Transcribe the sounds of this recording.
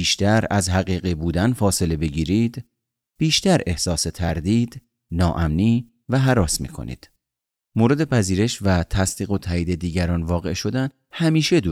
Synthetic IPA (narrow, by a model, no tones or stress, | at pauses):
iːʃt̪ʰæɾæzɦæɣiːɣibuːd̪ænfɒːse̞le̞be̞ɟiːɾiːd̪̥ | b̥iːʃt̪æɾe̞hsɒːse̞t̪ʰæɾd̪iːd̪ | nɒːʔæmniː | væɦæɾɒːsmḭːkʰo̞̰nḭːd̪̥ | moɾe̞d̪e̞pʰæziːɾe̞ʃvæt̪ʰæst̪iːɣo̞t̪ʰæiːd̪e̞d̪iːɟæɾɒːnvɒːɣe̞̰ʃo̞d̪æn | hæmiːʃe̞d̪u